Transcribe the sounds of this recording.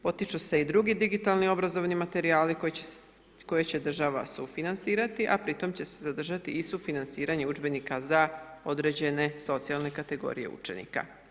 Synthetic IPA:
o̞t̪it͡ʃuseid̪ɾuɡid̪iɡit̪alˠnio̞bɾazo̞ʋnimat̪e̞ɾiaːliko | ko̞jet͡ɕe̞d̪r̩ʒaʋa̰sufinansiːɾat̪iʔapɾit̪o̞mt͡ɕe̞se̞zad̪r̩ʒat̪iisufinansiːɾaɲeud͡ʒbe̞nikazao̞d̪ɾe̞d͡ʑe̞ne̞so̞t̪sialˠne̞kat̪e̞ɡo̞̰ɾije̞̰ṵt͡ʃe̞̰nḭka̰

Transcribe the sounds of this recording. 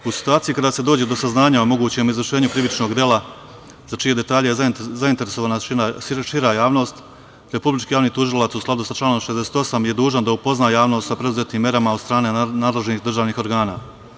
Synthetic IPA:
usi̥t̪uaːt̪sijikad̪aːse̞d̪oːd͡ʑed̪o̞saznaːɲaomo̞ɡuːt͡ɕe̞mizʋr̩ʃe̞ːɲukɾiʋit͡ʃno̞ɡd̪je̞la | zat͡ʃije̞d̪e̞t̪aːʎejezazaint̪e̞ɾeso̞ʋaːnaaʃiɾajaːʋno̞ːst̪ | ɾe̞publit͡ʃkijaːʋniːt̪uʒilˠat̪susklˠad̪usat͡ʃlaːno̞mʃezd̪ese̥ːt̪o̞samje̞d̪uːʒand̪aupo̞znaːjaːʋno̞st̪sapɾe̞d̪uze̞t̪iːmːje̞ɾamaod̪st̪ɾaːne̞naːd̪le̞ʒenixd̪ɾr̩ʒaːʋniːxo̞ɾɡaːna̰ː

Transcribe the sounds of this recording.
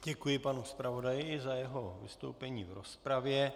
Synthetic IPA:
ɟɛkujɪpanuspɾavo̞dajɪɪzajɛɦo̞vɪ̰st̪o̞̰wpɛɲiːvɾospɾavjɛ

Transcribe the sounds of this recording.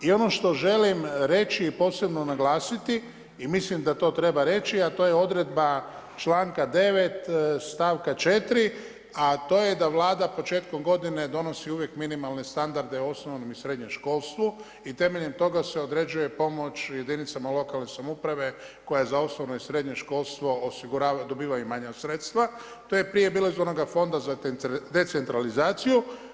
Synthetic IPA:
io̞no̞ʃt̪o̞ʒe̞limɾe̞t͡ʃiːpo̞ːse̞bno̞naɡlaːsit̪i | imislimd̪at̪o̞ːt̪ɾe̞baɾe̞t͡ʃiat̪oːjeo̞d̪ɾe̞d̪ba | t͡ʃlaːŋkad̪e̞ʋe̞t̪st̪aːʋkat͡ʃe̞t̪ɾi | at̪o̞ːje̞d̪aʋlaːd̪apo̞t͡ʃe̞ːt̪ko̞mɡo̞d̪ine̞d̪o̞no̞siuʋje̞kminimalˠne̞st̪and̪aɾd̪e̞oo̞snoʋno̞misɾe̞d̪ɲemʃko̞ːlˠst̪ʋu | it̪e̞me̞ʎe̞mt̪o̞ɡaseo̞d̪ɾe̞d͡ʒuje̞po̞mo̞t͡ʃje̞d̪init̪samalˠo̞kalˠne̞samoupɾaʋe̞ | ko̞jazaosnoʋnoisɾe̞d̪ɲeʃko̞lˠst̪ʋo̞osiɡuɾaːd̪o̞biːʋajumaɲasɾet̪st̪ʋa | t̪ojepɾije̞biːlaizonoɡafo̞nd̪azad̪e̞t̪se̞nt̪ɾalizaːt̪siju

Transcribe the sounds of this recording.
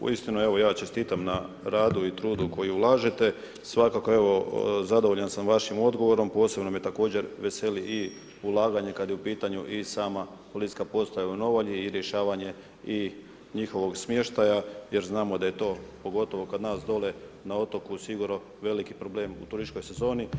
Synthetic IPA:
ṵist̪inue̞ʋo̞jaːt͡ʃe̞st̪iːt̪amna | ɾaːd̪uit̪ɾuːd̪uko̞jiulˠaːʒet̪e̞ | sʋakako̞e̞ʋo̞zad̪oʋoʎansamʋaʃimo̞d̪ɡo̞ʋo̞ɾo̞mpo̞ːse̞bno̞mjet̪ako̞ːd͡ʑe̞ɾʋe̞se̞liʔi | ulˠaːɡaɲe̞kad̪jeupiːt̪aɲuʔisaːma | polit̪i̥kapo̞ːst̪ajauno̞ʋoʎiːɾjeʃaːʋaɲe̞ | i | ɲixo̞ʋo̞ɡsmje̞ʃt̪ajaje̞ɾznaːmod̪aje̞t̪o̞ːpo̞ɡo̞t̪o̞ʋo̞kad̪naːsd̪o̞le̞nao̞t̪okusiɡuɾno | ʋe̞likipɾo̞ble̞ːmṵt̪uɾʒit͡ʃko̞jse̞zo̞ːni

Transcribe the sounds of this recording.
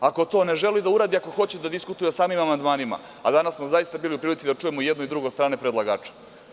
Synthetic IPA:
ako̞t̪o̞ːne̞ʒe̞lid̪auɾaːd̪iako̞xo̞t͡ɕed̪ad̪iskut̪ujesaːmimamand̪maːnima̰ | a̰d̪anasmozajist̪abiːliupɾiːlit̪id̪at͡ʂujemojed̪noid̪ɾuɡo̞st̪ɾaːnepɾed̪lˠaɡaːt͡ʃe̥

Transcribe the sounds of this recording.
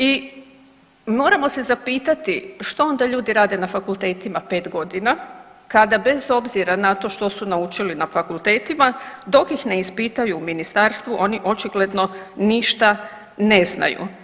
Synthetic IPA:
i | mo̞ːɾamo̞se̞zapiːt̪at̪iʃt̪oo̞nd̪aʎuːd̪iɾaːd̪e̞nafakulˠt̪e̞ːt̪imape̞ːt̪ɡo̞d̪ina | kad̪abe̞zo̞bziɾanat̪o̞ʃt̪o̞sunaut͡ʃilinafakulˠt̪e̞ːt̪imad̪o̞kjixne̞ispit̪ajuːminist̪aɾst̪ʋuʔo̞niʔo̞t͡ʃiɡle̞d̪no̞niʃt̪a | ne̞zna̰jṵ

